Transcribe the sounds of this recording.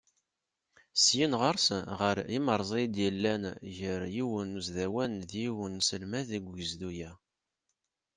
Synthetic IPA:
sjinʁəɾˤsʁəɾiməɾˤzˤid̪jəlːænʝəɾjiwənuzðæwænðjiwənsəlmæðiɡʷəzd̪ujæ

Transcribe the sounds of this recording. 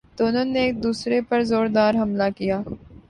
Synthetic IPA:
t̪oːnoːnːeːk̚d̪uːsɾepɐɾzoːɾd̪aːɾɦɐmlakijaː

